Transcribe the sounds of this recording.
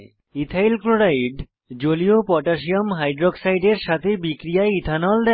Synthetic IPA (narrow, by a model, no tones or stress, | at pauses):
it̪ʰailkloɾaiɖ | d͡ʑoliopɔʈaʃ̬iomɦajɖɾoɡsajɖeɾʃat̪ʰebikɾijaeit̪ʰanɔld̪ɛ